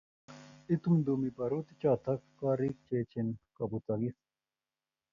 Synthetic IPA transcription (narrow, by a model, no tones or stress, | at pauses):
it̪umd̪umipɐɾut̪it͡ɕaːt̪ʰɐkːaːɾik̚t͡ɕeːt͡ɕʰinkɐbut͡s̪ɐɡis